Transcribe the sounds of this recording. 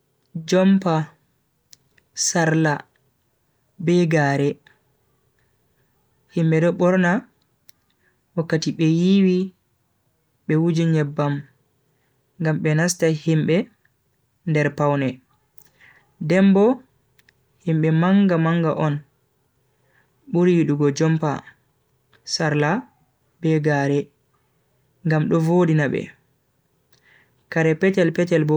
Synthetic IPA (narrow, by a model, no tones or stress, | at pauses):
d͡ʒɔmpa | saɾla | bɛɡaːɾɛ | himɓɛdɔɓɔɾna | wakːatiɓɛjiwi | ɓɛwud͡ʒiɲɛbːam | ŋɡamɓɛnastahimɓɛ | ndɛɾpawnɛ | dɛmbɔ | himɓɛmaŋɡamaŋɡa̰ʔɔn | ɓuɾiɗuɡɔd͡ʒɔmpa̰ | saɾla | bɛɡaːɾɛ | ŋɡamɗɔvoːdinaɓɛ̰ | kaɾɛpɛtɛlpɛtɛlbɔ